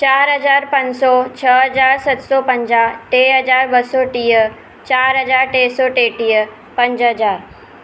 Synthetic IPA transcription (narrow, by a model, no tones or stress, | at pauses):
t͡ɕaːɾɦɐzaːɾpɐ̃ɲd͡ʑsɔt͡ɕʰəɦɐd͡ʑaːɾsɐt̪sɔːpɐ̃ɲd͡ʑaʈeːɦɐd͡ʑaːɾbəsɔʈiːə | t͡ɕaːɾɦɐd͡ʑaːɾʈeːsɔʈeːʈiːə | pɐ̃ɲd͡ʑɦɐd͡ʑaːɾ